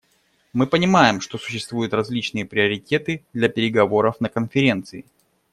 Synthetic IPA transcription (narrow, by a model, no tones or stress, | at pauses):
mɨpənʲɪmajɪmʂt̪o̞sʊ̥ɕːɪst̪vujʊt̪rɐzʲlʲit͡ɕnɨjəpɾʲɪəɾʲɪtʲe̞t̪ɨd̪lʲɐpʲɪɾʲɪɡɐvo̞ɾəfnəkənfʲɪɾʲe̞nt̪sɨɪ